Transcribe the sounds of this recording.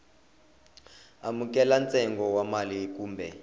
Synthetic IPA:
amukɛlant͡sʼɛŋɡɔwamalikuːmbʱɛ

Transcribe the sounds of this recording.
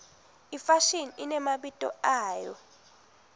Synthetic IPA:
ifaʃininɛmaɓitʼɔ̰aːjɔ̰

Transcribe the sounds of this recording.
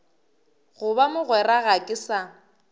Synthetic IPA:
ɣʊbamʊɣwɛraɣakʼɪsa

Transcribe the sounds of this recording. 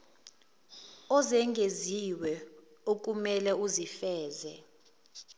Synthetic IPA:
ɔzɛŋɡʱeziwɛok̬ʼumɛlɛuzifɛːzɛ̰

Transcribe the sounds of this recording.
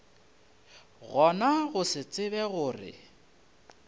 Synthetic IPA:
ɣɔnaɣʊsɪt͡sʼɪβɛɣʊːrɪ̰

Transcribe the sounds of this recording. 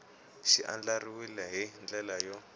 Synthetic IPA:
ʃiʔa̰nd͡ɮariwilɛɦind͡ɮɛlajɔ

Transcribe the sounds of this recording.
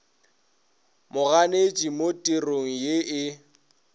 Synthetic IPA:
mʊɣanet͡ʃʼimotʼiroŋ̩jeɪ

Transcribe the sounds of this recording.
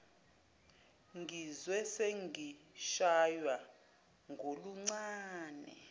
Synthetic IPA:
ŋɡizwɛseŋʱiʃajwa | ŋʱoluŋ͡ǀaːnɛ̰

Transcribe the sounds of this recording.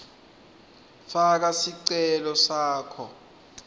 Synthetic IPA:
fak̬asiǀɛlɔsaːkʰɔ

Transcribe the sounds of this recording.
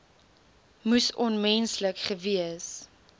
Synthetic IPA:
musɔnmɛnsləkχəviəs

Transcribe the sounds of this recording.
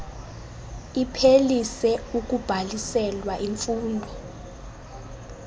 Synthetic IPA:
ipʰelisɛuk̬ub̥ʱalisɛlwaʔiɱfuːndʱɔ

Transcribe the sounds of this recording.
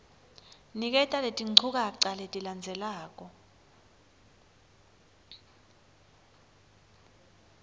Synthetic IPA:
nik̬ʼɛtʼaletʼiŋ͡ǀʰuk̬ʼaǀaletʼiland͡zʱɛlaːk̬ʼɔ

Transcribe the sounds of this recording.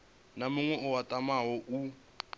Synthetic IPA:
namʊŋwɛʔʊwatʼamaɦɔʔu

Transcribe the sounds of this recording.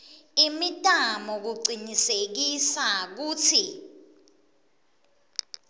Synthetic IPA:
imitʼamɔk̬uɡ͡ǀʱinisek̬isak̬uːt͡sʰi

